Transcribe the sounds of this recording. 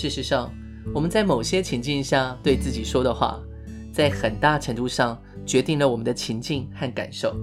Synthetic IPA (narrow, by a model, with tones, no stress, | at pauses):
ʂɻ̩˥˩ʂɻ̩˧˥ʂɑ˥˩ŋ | wɔ˨˩mə˦nt͡sa˥˩ɪmo˨˩ʊɕjɛ˥t͡ɕʰi˧˥ŋt͡ɕi˥˧ŋɕja˥˧t̪we˥˧ɪt͡sɹ̩˥˩t͡ɕi˨˩ʂwɔ˥ɾə˨xwa̰˥˧ | t͡sa˥˩ɪxə˨˩nt̪a˥˩ʈ͡ʂʰə˧˥ŋt̪u˥˧ʂɑ˥˩ŋ | t͡ɕɥɛ˧˥t̪i˥˩ŋlə˩wɔ˨˩mə˦nd̪ə˧t͡ɕʰi˧˥ŋt͡ɕi˥˧ŋxa˥˩nka̰˨˩nʂo˥˩ʊ